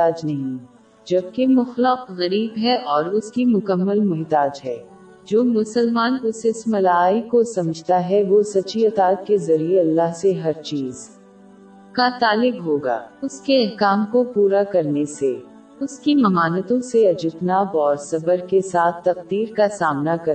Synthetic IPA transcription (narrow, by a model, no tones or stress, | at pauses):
t̪aːd͡ʒnɐɦĩ | d͡ʒɐb̚kemʊxləqɣɐɾiːbɦɛʔɔːɾʊskimʊkəmːəlmɛɦt̪aːd͡ʒɦɛː | d͡ʒoːmʊsəlmaːnʊsɪsmɐlaːikosɐməd͡ʒʱt̪aɦɛʋosɐt͡ʃiɐt̪aːt̪̚kezɐɾieɐlːaɦseɦɐɾt͡ʃiːz | kat̪aːlɪɡɦoːɡa̰ːʊskeɐɦkaːmkopuːɾakɐɾnese | ʊskimɐmaːnət̪õseɐd͡ʒɪt̪naːbɔːɾsɐbəɾkesaːt̪ʰt̪ːɐqd̪iːɾkasaːmnakɐɾ